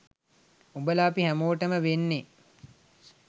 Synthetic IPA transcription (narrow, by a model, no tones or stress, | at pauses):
ubəlaːpiɦæmoːʈəməʋenːe